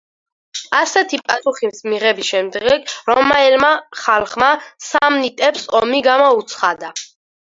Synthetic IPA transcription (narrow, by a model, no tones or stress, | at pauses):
asɛt̪ʰipʼasuχimsmiʁɛbisʃɛmd̪ɡɛɡɾɔmaɛlmaχalˠχmasamnit̪ʼɛpsɔmiɡamɔut̪sʰχad̪a